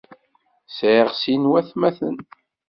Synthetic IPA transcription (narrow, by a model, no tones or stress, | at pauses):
sʕiʁsinwæθmæθə̰n